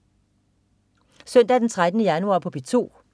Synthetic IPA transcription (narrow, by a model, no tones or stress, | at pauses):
sœn̰d̥æɐd̥ent͡sʰʁad̥ənəjænuɑ̰̈pʰɒ̽b̥it͡sʰo̝̰ː